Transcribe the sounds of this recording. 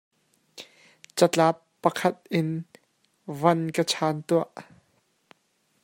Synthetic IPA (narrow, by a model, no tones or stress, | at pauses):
t͡sɐt͡ɬaːpːɐkʰɐt̪̚ʔɪn | vɐnkət͡sʰaːnt̪uɐʔ